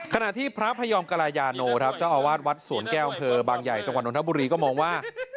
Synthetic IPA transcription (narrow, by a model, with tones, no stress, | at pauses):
kʰa˧na˨˩ʔt̪ʰiː˥˩pʰɾa˦˥pʰa˧jɔː˧mka˧ɾaː˧jaː˧noː˧kʰɾa˦˥p̚t͡ɕa˧˩ʔaː˧˩waː˥˩t̪̚wa˦˥t̪̚su˨˩˦ənkɛː˥˩ʔa˧mpʰɤː˧baː˧ŋja˨˩jt͡ɕa˧ŋwa˨˩ʔnt̪ʰa˦˥bu˧ɾiː˧kɔː˥˩mɔː˧ŋwaː˥˩